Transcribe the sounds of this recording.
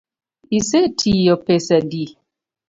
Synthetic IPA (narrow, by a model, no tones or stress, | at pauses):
isetʰijɔpesadi